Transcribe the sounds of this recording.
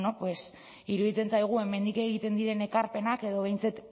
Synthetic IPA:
nopwe̞s | iɾuðit͡se̞nt͡sajɣ̞ue̞me̞nd̪ike̞ɣ̞it̪e̞nd̪iɾe̞ne̞kaɾpe̞nake̞ðo̞βejnt͡sat̪

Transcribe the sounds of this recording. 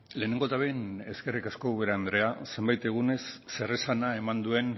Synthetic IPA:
le̞ːne̞ŋɡo̞t̪aβene̞ske̞rikasko̞uβeɾaand̪ɾe̞ase̞mbajt̪e̞ɣ̞une̞sːe̞resanae̞mand̪ue̞n

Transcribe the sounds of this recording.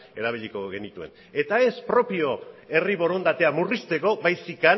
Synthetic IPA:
e̞ɾaβ̞iʎiko̞ɣe̞nit̪ue̞̰n | e̞t̪ae̞spɾo̞pio̞e̞riβo̞ɾo̞nd̪at̪e̞amurist̪e̞koβajsikan

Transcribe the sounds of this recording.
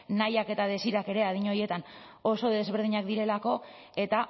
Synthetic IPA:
najake̞t̪aðe̞siɾake̞ɾe̞að̞iɲo̞je̞t̪an | o̞so̞ðe̞zβe̞ɾð̞iɲak̚d̪iɾe̞lako̞ | e̞t̪a

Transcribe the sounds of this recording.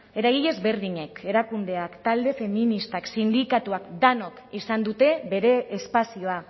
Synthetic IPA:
e̞ɾaɣiʎe̞zβe̞ɾðiɲe̞ke̞ɾakund̪e̞akt̪ald̪e̞fe̞minist̪aksind̪ikat̪uakd̪anokisand̪ut̪e̞βe̞ɾe̞ːspasioa

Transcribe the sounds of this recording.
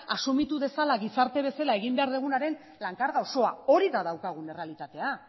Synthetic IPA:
asumit̪uðe̞salaɣisaɾt̪e̞β̞e̞selaeɣ̞imbe̞aɾðeɣ̞unaɾe̞n | laŋkaɾɣao̞so̞ao̞ɾiðaðawkaɣ̞une̞re̞alit̪at̪e̞a

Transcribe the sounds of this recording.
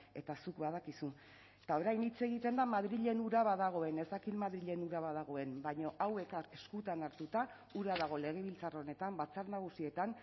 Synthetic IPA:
e̞t̪asukβað̞akisu | t̪ao̞ɾajnit͡se̞ɣ̞it̪e̞nd̪amaðɾiʎe̞nuɾaβaðaɣ̞o̞e̞ne̞zd̪akiðmaðɾiʎe̞nuɾaβaðaɣ̞o̞e̞mbaɲo̞ʔawekae̞skut̪anaɾt̪ut̪a | uɾaðaɣ̞o̞le̞ɣ̞e̞βilt͡saro̞ne̞t̪ambat͡saɾnaɣ̞usie̞t̪an

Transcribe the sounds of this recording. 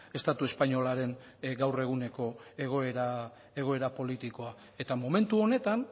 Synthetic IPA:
e̞st̪at̪ue̞spaɲo̞laɾe̞ŋ | ɡawre̞ɣ̞une̞ko̞e̞ɣ̞o̞eɾa | e̞ɣ̞o̞e̞ɾapo̞lit̪iko̞a | e̞t̪amo̞me̞nt̪uo̞ne̞t̪an

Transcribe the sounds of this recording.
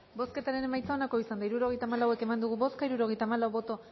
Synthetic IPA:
bo̞ske̞t̪aɾe̞nemajt͡sao̞nako̞isand̪aiɾuɾo̞ɣjt̪aːmalawe̞ke̞mand̪uɣ̞uβo̞skaiɾuɾo̞ɣ̞ejt̪aːmalawβo̞t̪o

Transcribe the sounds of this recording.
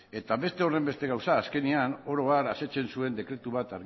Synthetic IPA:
e̞t̪aβe̞st̪e̞o̞re̞mbe̞st̪e̞ɣ̞awsaːske̞niano̞ɾo̞aɾase̞t͡ʃe̞nsue̞nd̪e̞kɾe̞t̪uβ̞at̪aɾɣ

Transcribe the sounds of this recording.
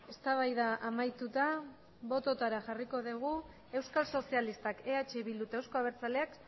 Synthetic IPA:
e̞st̪aβ̞ajðaʔamajt̪ut̪a | βo̞t̪o̞t̪aɾaxariko̞ðiɣ̞u | e̞wskalso̞sialist̪akeat͡ʃe̞βild̪ut̪ewsko̞aβ̞e̞ɾt͡sale̞ak

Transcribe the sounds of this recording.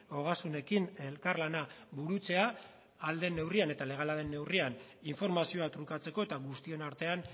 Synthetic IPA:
o̞ɣ̞asune̞kine̞lkarlanaβuɾut͡se̞aː | ld̪e̞nːe̞wriane̞t̪ale̞ɣ̞alaðe̞nːe̞wrianiɱfo̞ɾmasio̞at̪ɾukat͡se̞ko̞e̞t̪aɣust̪ie̞naɾt̪e̞an

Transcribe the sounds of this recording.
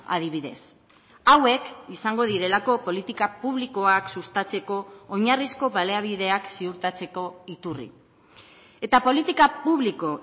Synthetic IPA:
a̰ðiβ̞iðe̞̰s | awe̞kisaŋɡo̞ð̞iɾe̞lako̞po̞lit̪ikapuβliko̞aksust̪at͡se̞ko̞ːɲarisko̞βale̞aβ̞iðe̞aksiuɾt̪at͡se̞ko̞it̪urḭ | e̞t̪apo̞lit̪ikapuβliko̞

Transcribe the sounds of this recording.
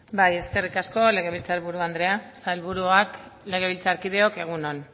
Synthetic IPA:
baje̞ske̞rikasko̞le̞ɣ̞e̞β̞ilt͡saɾβuɾuand̪ɾe̞asalβuɾuakle̞ɣ̞e̞βilt͡saɾkið̞e̞o̞ke̞ɣ̞unon

